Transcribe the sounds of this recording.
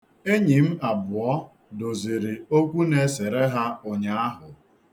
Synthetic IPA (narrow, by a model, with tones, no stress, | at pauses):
e˦ɲi˨m̩˦a˨bʊ˨ɔ˦ | do˨zi˨ɾɪ˨o˦kʷu˦ne˦se˨ɾe˦ɦa˦ʊ˨ɲa˦a˦ɦʊ˨